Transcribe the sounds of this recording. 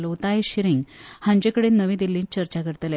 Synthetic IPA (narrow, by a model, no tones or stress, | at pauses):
lot̪ajeɕiɾiŋɡhãɲd͡ʑekəɽenəʋĩd̪ilːiːnt͡ɕəɾt͡ɕakəɾt̪əl